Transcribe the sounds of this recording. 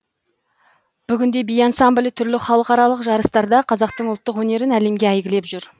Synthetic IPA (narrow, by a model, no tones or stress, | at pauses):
b̥ʏɡʲɪnd̪e̞bijɑnsɑmblʲijt̪ʰʏɾlɪχɑlˠəqɑɾɑlˠəqʒɑɾəst̪ɑɾd̪ɑqʰɑzɑq̚t̪əɴʊlˠt̪ːəqwɵne̞ɾɪnæle̞mɡʲeæjɡʲɪle̞pʒʏɾ